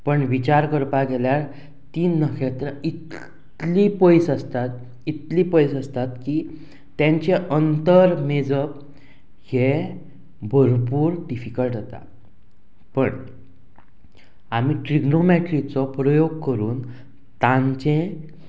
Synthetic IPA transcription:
pəɳʋit͡ɕaɾkəɾpaɡɛljaɾ | t̪inəkʰet̪ɾəit̪ | lipəjsəst̪at̪ | it̪lipəjsəst̪at̪kiː | ãɲt͡ɕeʔənt̪əɾmed͡zəp̚ | he | bʱəɾpuːɾɖifikəlʈd͡zet̪a̰ | pəɳ | amiʈɾiɡnomeʈɾit͡sɔpɾəjoɡkəɾuːn | t̪ãɲt͡ɕẽ

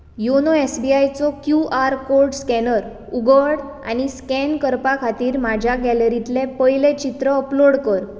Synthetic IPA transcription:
jonɔesbiajt͡sɔkjuʔaɾkoɾɖskɛnəɾ | uɡəɽ | a̰ñiskɛnkəɾpakʰat̪iːɾmad͡ʑʱjaɡɛləɾit̪lepəjlet͡ɕit̪ɾəəploɽkəɾ

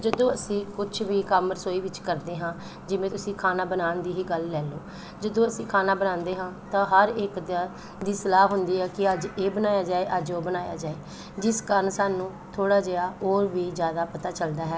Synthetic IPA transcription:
d͡ʒəd̪õːəsĩːkʊt͡ʃʰʋiːkəməɾsoːiːʋɪt͡ʃkəɾd̪eːɦãː | d͡ʒɪʋẽːt̪ʊsĩːkʰaːnaːbənaːnd̪iːɦiːɡəlːɛːloː | d͡ʒəd̪õːəsĩːkʰaːnaːbənãːnd̪eːɦãːt̪ãːɦəɾɪkd̪ | d̪iːsəlaːɦʊnd̪iːɦɛːkɪəd͡ʒeːbənaːjaːd͡ʒaːeːʔəd͡ʒoːbənaːja̰ːd͡ʒaːeː | d͡ʒɪskaːɾənsaːnũː | t̪ʰoːɽaːd͡ʒeaːoːɾʋiːzjaːd̪aːpət̪aːt͡ʃəld̪aːɦɛː

